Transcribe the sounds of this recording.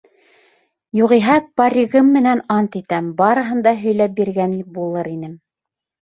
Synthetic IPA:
juʁiɦɑpɑɾʲiɣɤmːɘ̆nænɑnt̪it̪æmbɑɾɤ̆ɦɤ̆nd̪ɑɦɵ̆jlæp̚biɾɡænibulˠɤɾinɘm

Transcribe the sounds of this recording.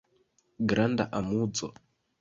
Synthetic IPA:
ɡɾanda̰ʔamud͡zɔ̰

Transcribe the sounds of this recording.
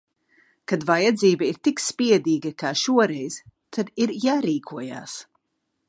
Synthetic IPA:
kad̪vajad̪ziːbɐiɾt̪ikspiɛd̪iːɡɐkaːʃuɔɾɛjz̥t̪ʰad̪iɾjaːɾiːkʰuɔja̰ːs

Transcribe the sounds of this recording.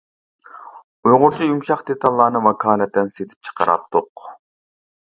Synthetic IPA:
ujʁʊɾt͡ʃʰijumʃɑχd̪et̪ʰɑlˠːɑːnɨmɑkʰɑːnɛt̪ʰːɛnset̪ʰɪ̥p̚t͡ʃʰə̥qəɾʔɑ̰p̚t̪ʰʊq

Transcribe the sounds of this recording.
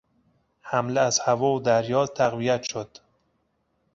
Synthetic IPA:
hæmleæz̥hævɒːod̪æɾjɒːt̪ʰæɣvijæt̪ʃod̪̥

